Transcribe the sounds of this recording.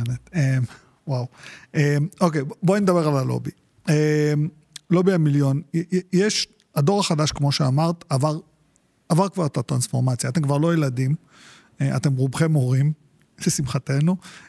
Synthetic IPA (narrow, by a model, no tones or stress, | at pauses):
net̪em | wawemo̞kejboanind̪abeʁalalo̞̰bi | em | lo̞biamiljo̞njeʃ | ado̞ʁaχadaʃkmo̞ʃeamaʁtavaʁ | avaʁkvaʁetat̪ʁansfo̞ʁmat͡sjaːtemkvaʁlo̞jeladim | eʔa̰te̞mʁubχemo̞ʁim | lesimχate̞nu